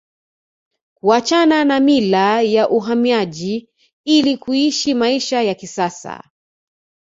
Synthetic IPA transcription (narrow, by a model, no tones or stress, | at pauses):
kuat͡ʃananamilajaʔuɦamiaʄi | ilikuiʃimaiʃajakisasa̰